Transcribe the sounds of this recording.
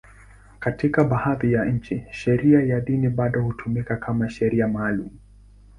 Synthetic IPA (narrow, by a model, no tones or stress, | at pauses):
katikaɓahaðijaɲ̩t͡ʃiʃɛɾiajaɗiniɓaɗɔhutʰumikakamaʃɛɾiamaːlumu